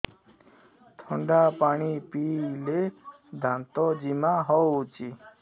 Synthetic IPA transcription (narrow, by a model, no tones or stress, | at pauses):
t̪ʰɔɳɖapaɽ̃ipile | d̪ʱãnt̪ɔd͡ʒimaɦɔt͡ʃi